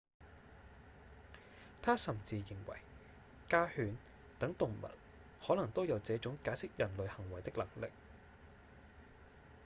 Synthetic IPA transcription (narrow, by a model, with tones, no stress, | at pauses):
t̪ʰaː˥sɐ˨˩mt͡siː˧jɪ˨˩ŋwɐ̰˨˩j | kaː˥hyː˨˧n | t̪ɐ˨˥ŋt̪ʊ˨ŋmɐ̰˨˩t̚ | hɔː˨˥lɐ˨˩ŋt̪o˥wjɐ˨˧wt͡sɛː˨˥t͡sʊ˨˥ŋkaː˨˥jsɪ˥k̚jɐ˨˩nlɵ˨˧ɥhɐ˨˩ŋwɐ˨˩jt̪ɪ˥k̚lɐ˨˩ŋlɪ˨k̚